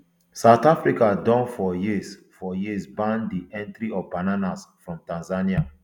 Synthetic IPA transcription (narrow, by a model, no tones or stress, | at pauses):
saʊtafɾikadɔ̃nfɔjis | fɔjisbãndiʔɛ̃ntɾiɔvbananasfɹɔ̃mtãnzania